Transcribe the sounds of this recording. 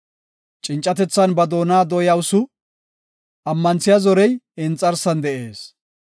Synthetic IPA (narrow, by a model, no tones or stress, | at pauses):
t͡ʃʼɪnt͡ʃʼːɐt̪ɛt͡sːɐnbɐd̪o̞ːnaːd̪ɔjɐwʊsʊ | ʔɐmːɐnt͡sːɪjɐzɔɾɛjɪnt͡sʼːɐɾsɐnd̪ɛʔe̞ːs